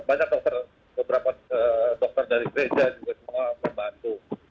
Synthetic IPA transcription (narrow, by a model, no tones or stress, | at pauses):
baɲak̚dɔk̚t̪ər | bəbəɾapaədɔk̚t̪ərdaɾiɡəɾed͡ʒad͡ʒuɡasəmuaməmbant̪u